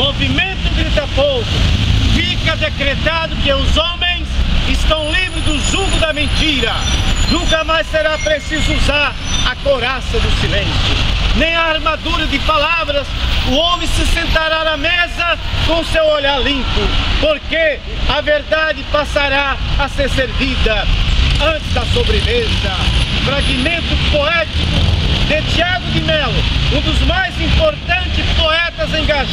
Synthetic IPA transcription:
movimẽnt̪ʊ̃ɡɾit̪ɐpowkʊfikɐd̪ekɾet̪ad̪ʊkɪʊzõmẽj̃sɪst̪ɐ̃w̃lĩbɾɪd̪ʊzuɡʊd̪ɐmẽnt̪iɾɐnũkɐmajsseɾapɾesizʊuzaɾɐkoɾasɐd̪ʊsilẽnsʊnẽj̃ɐːɾmad̪uɾɐd̪ɪpalavɾɐsʊõmẽsɪsẽnt̪aɾaɾɐmezɐkõʊsewoʎaɾlĩmpʊpoɾke | ɐveɾd̪ad͡ʒɪpasaɾaːseɾseɾvid̪ɐɐ̃nt͡ʃɪzd̪ɐsobɾɪmezɐfɾaɡimẽnt̪ʊpoɛt͡ʃikʊd̪et͡ʃiaɡ̪ʊd̪ɪmɛlʊ̰ũd̪ʊzmajzĩmpoɾt̪ɐ̃nt͡ʃ̪ɪspoɛt̪ɐzẽɡaʒ

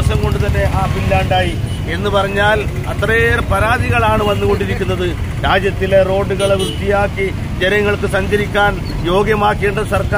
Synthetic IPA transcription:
sɐmko̞ɳɖut̪ɐnːe̞ʔaːpilːaːɳɖaːji | e̞nːɨpɐrɐɲːaːl | ɐt̪rɐjerpɐɾaːd̪iɣɐɭaːɳɨʋɐnːuɣo̞ɳɖiɾikʲːunːɐðɨ | ɾaːd͡ʑjɐt̪ːile̞ro̞ːɖːuɣɐɭeʋrut̪ːijaːkːi | d͡ʑe̞nɐŋːɐɭkɨsɐɲd͡ʑɐɾikʲːaːn | jo̞ːɡjɐmaːkːe̞ːɳɖɐðɨsɐrka

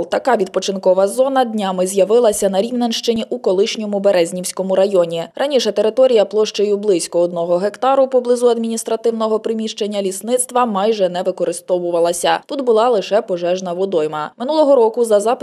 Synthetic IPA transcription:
lˠt̪ɐkɑʋʲid̪̚pɔt͡ʃɪnkɔʋɐzɔnɐd̪ʲnʲamɪzʲjɐʋɪlˠɐsʲɐnɐɾʲiwnɐnʃt͡ʃenʲiʔukɔlˠɪʃnʲɔmʊbeɾɛzʲnʲiwsʲkɔmʊɾɐjɔnʲirʔɐnʲiʃɛt̪eɾɪt̪ɔɾʲijɐplˠɔʃt͡ʃejʊblˠɪsʲkɔɔd̪nɔɦɔɦekt̪ɑɾʊpɔblˠɪzuɐd̪mʲinʲist̪ɾɐt̪ɪwnɔɦɔpɾɪmʲiʃt͡ʃenʲːɐlʲisnɪt̪st̪ʋɐmɑjʒɛnɛʋɪkɔɾɪst̪ɔʋʊʋɐlˠɐsʲɐt̪ut̪bʊlˠɑlˠɪʃɛpɔʒɛʒnɐʋɔd̪ɔjmɐmɪnulˠɔɦɔɾɔkʊzɐzɑp

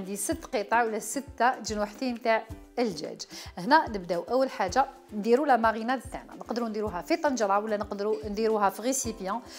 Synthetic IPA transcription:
nd̪isət̪ːqət̪ˤɑʕwəlːæsət̪ːaʒinwaħt̪imt̪aʕ | əlʒæ̰ʒəhnænəbd̪æuʔæwːəlħaʒːa | nd̪iɾulæmɑɣinæt̪bt̪aʕna̰nəqd̪əɾund̪iɾuɦæfit̪ˤɑnʒɾˤɑwəlːænəqd̪ɾund̪iɾuɦæfiɣesipjɑ̃

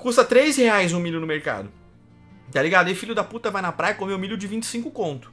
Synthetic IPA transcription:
kust̪ɐt̪ɾejzheajzũmiʎjʊnʊmeɾka̰d̪ʊ | t̪aliɡad̪ʊɪfiʎʊd̪ɐput̪ɐvajnɐpɾajɐkõmɪũmiʎjʊd͡ʒɪvĩnt͡ʃɪ̥sĩŋkʊkõnt̪ʊ̥

